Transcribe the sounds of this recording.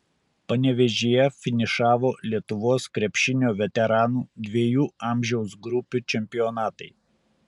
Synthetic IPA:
pɐnʲɛʋʲɛʒʲejɛfʲɪnʲɪʃɑːʋoːlʲiɛt̪ʊʋoːskɾʲɛpʲʃʲɪnʲoːʋʲɛt̪ʲɛɾɑːnuːd̪ʲʋʲiɛjuːɑˑmʲʒʲɛʊs̬ɡɾʊpʲut͡ʃʲɛmʲpʲɪɔnɑːt̪ɐɪ

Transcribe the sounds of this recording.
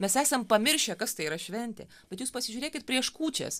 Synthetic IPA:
mʲɛsæːsɛmpɐmʲɪɾʲʃʲɛkɐst̪ɐɪiːɾɐʃʲʋʲɛnʲt̪ʲḛːb̥ʲɛt̪juːspɐsʲɪʒʲʊːɾʲeːkʲɪt̪̚pʲɾʲiɛʃkuːt͡ʃʲɛ̰ːs

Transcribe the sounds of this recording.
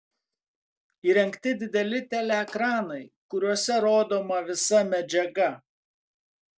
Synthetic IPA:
iːɾʲɛŋʲkt̪ʲɪd̪ʲɪd̪ʲɛlʲɪt̪ʲɛlʲɛkɾɑːnɐɪkʊɾʲuɔsʲɛɾoːd̪oːmɐʋʲɪsɐmʲɛd͡ʒʲɛɡɐ

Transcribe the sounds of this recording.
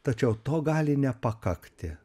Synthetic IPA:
t̪ɐt͡ʃʲɛʊt̪oːɡɑːlʲɪnʲɛpɐkɐkt̪ʲɪ

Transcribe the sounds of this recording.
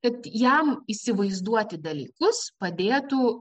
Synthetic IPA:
kɐt̪jɛmisʲɪʋɐɪzd̪uɔt̪ʲɪd̪ɐlʲḭːkʊspɐd̪ʲeːt̪u

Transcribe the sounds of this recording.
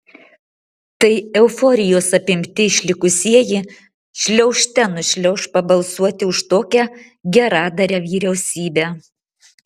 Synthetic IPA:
t̪ɐɪɛʊfɔɾʲɪjoːsɐpʲɪmʲt̪ʲɪɪʃʲlʲɪkʊsʲiɛjɪ | ʃʲlʲɛʊʃʲt̪ʲɛnʊʃʲlʲɛʊʃpɐbɐlˠsuɔt̪ʲɪʊʃt̪oːkʲæ | ɡʲɛɾɑːd̪ɐɾʲɛʋʲiːɾʲɛʊsʲiːbʲæ

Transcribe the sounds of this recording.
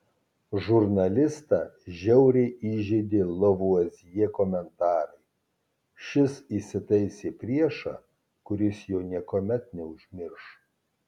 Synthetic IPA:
ʒʊɾnɐlʲɪst̪ɑːʒʲɛʊɾʲeʔiːʒʲɛːd̪ʲɪlˠoʋuɐzʲjeɛkoːmʲɛnt̪ɑːɾɐɪ | ʃʲɪsisʲɪt̪ɐɪsʲeːpʲɾʲiɛʃɑ̰ː | kʊɾʲɪsjɛʊnʲiɛkoːmʲɛt̪̚nʲɛʊʒʲmʲɪɾʃ

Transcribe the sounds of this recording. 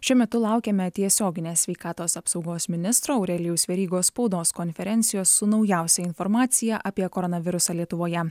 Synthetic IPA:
ʃʲʊmʲɛt̪ʊlˠɑˑʊkʲeːmʲɛt̪ʲiɛsʲoːɡʲɪnʲeːsʲʋʲɛɪkɑːt̪oːsɐpsɒʊɡoːsmʲɪnʲɪst̪ɾoːʊɾʲɛlʲɪjʊsʋʲɛɾʲiːɡoːspɒʊd̪oːskɔnʲfʲɛɾʲɛnʲt̪sʲɪjoːsːʊnɒʊjæˑʊsʲɛɪnfɔɾmɑːt̪sʲɪjæʔɐpʲiɛkɔɾɔnɐʋʲɪɾʊsɑlʲiɛt̪ʊʋoːjɛ

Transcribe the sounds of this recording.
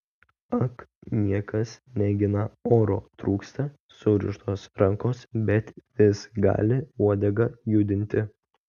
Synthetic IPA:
ɐknʲiɛkɐsnʲɛɡʲɪnɐoːɾoːt̪ɾuːkst̪ɐ | sʊɾʲɪ̰ʃt̪oːsɾɐŋkoːsbʲɛt̪ʋʲɪsɡɑ̰ːlʲɪuɔd̪ʲɛɡɐjʊd̪ʲɪnʲt̪ʲɪ

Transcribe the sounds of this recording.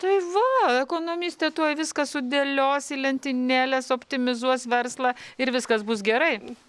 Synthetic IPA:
t̪ɐɪʋɐɛkoːnoːmʲiːsʲt̪ʲeːt̪uɔjʋʲɪskɐssʊd̪ʲeːlʲoːsilʲɛnʲt̪ʲɪnʲæːlʲɛsoːpʲt̪ʲɪmʲɪzuɔsʋʲɛrslˠɑɪɾʋʲɪskɐsbʊsɡʲɛɾɐɪ

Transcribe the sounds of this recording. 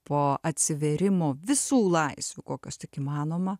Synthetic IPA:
poːɐt̪ʲsʲɪʋʲeːɾʲɪmoːʋʲɪsuːlˠɐɪsʲʋʲukoːkʲost̪ʲɪkimɑːnoːmɐ

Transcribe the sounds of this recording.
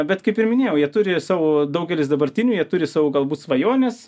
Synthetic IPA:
bʲɛt̪kɐɪpɪɾmʲɪnʲeːjɛʊjiɛt̪ʊɾʲɪsɑːʋoːd̪ɐʊɡʲɛlʲɪsd̪ɐbɐɾʲt̪ʲɪnʲuːjiɛt̪ʊɾʲɪsɑːʋʊːɡɐlˠbuːt̪sʋɐjoːnʲɛs

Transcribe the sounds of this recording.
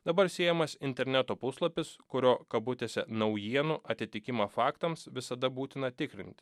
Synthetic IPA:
d̪ɐbɐɾsʲeːjɛmɐsɪnʲt̪ʲɛɾʲnʲæt̪oːpʊslˠɐpʲɪskʊɾʲoːkɐbʊt̪ʲeːsʲɛnɐʊjiɛnʊʔɐt̪ʲɪt̪ʲɪkʲɪmɑfɑːkt̪ɐmsʋʲɪsɐd̪ɐbuːt̪ʲɪnɐt̪ʲɪkɾʲɪ̰nʲt̪ʲ

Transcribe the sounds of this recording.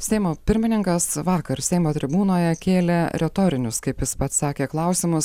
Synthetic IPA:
sʲɛɪmoːpʲɪɾʲmʲɪnʲɪŋkɐsʋɑːkɐɾsʲɛɪmoːt̪ʲɾʲɪbuːnoːjɛkʲeːlʲɛɾʲɛt̪oːɾʲɪnʲʊskɐɪpjɪspɐt̪sɑːkʲeːklˠɐʊsʲɪmʊs

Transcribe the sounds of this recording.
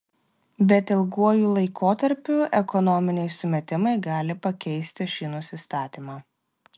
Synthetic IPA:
bʲɛt̪ɪlˠɡuɔjuːlˠɐɪkoːt̪ɐɾʲpʲuɛkɔnɔmʲɪnʲɛɪsʊmʲɛt̪ʲɪmɐɪɡɑːlʲɪpɐkʲɛɪsʲt̪ʲɪʃʲiːnʊsʲɪst̪ɑːt̪ʲiːmɑː

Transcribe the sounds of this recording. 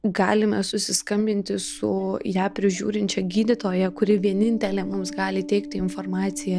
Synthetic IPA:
ɡɑːlʲɪmʲɛsʊsʲɪskɐmʲbʲɪnʲt̪ʲɪsʊjæːpʲɾʲɪʒʲṵːɾʲɪnʲt͡ʃʲɛɡʲiːd̪ʲɪt̪oːjɛkʊɾʲɪʋʲiɛnʲɪnʲt̪ʲɛlʲɛmʊmsɡɑːlʲɪt̪ʲɛɪkt̪ʲɪɪnformɑːtsʲɪjɛ

